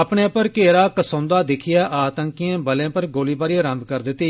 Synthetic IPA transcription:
əpɳeːpəɾkeːɾaːkəsõːnd̪aːd̪ɪkʰɪjaːʔaːt̪əŋkijãːbəlẽːpəɾɡoːliːbaːɾiɾəmbkəɾd̪ɪt̪ːiː

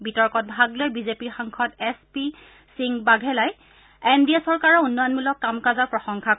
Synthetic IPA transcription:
bitɔɹkɔt̚bʱaɡlojbizepiɹxaŋkʰɔtɛspi | siŋbaɡʱɛlaj | endiasɔɹkaɹɔunːɔjɔnmulɔkːamkazɔɹpɹɔxɔŋkʰa

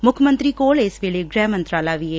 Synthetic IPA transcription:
mʊkʰmə̃nt̪ɾiːkoːlesʋeːleːɡɾɛːmə̃nt̪ɾaːlaːʋieː

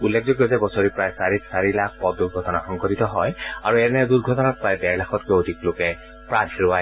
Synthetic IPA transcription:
ulːek̚ʰzoɡjɔzɛbɔsɔɹipɹajsaɹisaɹilak̚ʰpɔt̚duɹɡʱɔtɔna̰xɔŋkɔtitɔɦɔjaɹuɛnɛduɹɡʱɔtɔnat̚pɹajdɛɹlaxʰɔtkodiklokɛ | pɹãtɹʊa

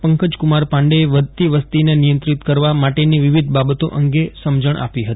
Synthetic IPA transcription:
pəŋkəd͡ʒkumaɾpãɳɖeːʋəd̪ʱt̪iʋəst̪inenijə̃nt̪ɾit̪kəɾʋamaʈeniʋiʋid̪ʱbabət̪o̰ʔəŋɡesəmd͡ʒəɳʔa̰piɦət̪i̥

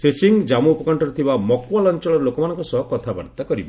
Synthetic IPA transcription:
sesiŋd͡ʒamuːpɔkɔɳʈɔɾet̪ʰibamɔkwalɔnt͡ʃɔɭ̃ɔɾelokɔmanɔ̃ŋkɔsɔɦɔkɔt̪ʰaba̰ɾt̪akɔɾibɔ

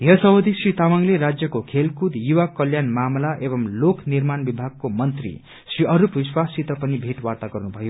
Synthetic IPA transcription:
jʌsʌwʌd̪ʱisrit̪amaŋleɾad͡zjʌkokʰelkud̪juwakʌljanmamlaʔebʌmlokʰnirmanbibʱaɡ̚komʌnt̪rḭ | sriʌɾupbiswasit̪ʌpʌnibʱeʈwart̪aɡʌrnubʱʌjo

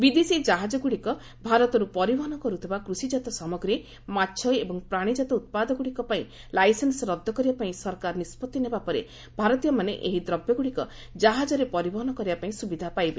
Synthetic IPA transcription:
bid̪esid͡ʒaɦad͡ʒɔɡuɽikɔ | bʱaɾɔt̪ɔɾupɔɾibɔɦɔnɔkɔɾut̪ʰibakɾusid͡ʒat̪ɔsɔmɔɡɾe | matːt͡ʃʰɔjebɔŋpɾaɽ̃id͡ʒat̪ɔut̪̚pad̪ɔɡuɽikɔpaĩ | lajsensɔɾɔd̪ʱːɔkɔɾibapaĩsɔɾkaɾɔnispɔt̪ːinebapɔɾe | bʱaɾɔt̪ijɔmanḛʔḛɦid̪ɾɔbjɔɡuɽikɔ | d͡ʒaɦad͡ʒɔɾepɔɾibɔɦɔnɔkɔɾibapaĩsubid̪ʱapajbe

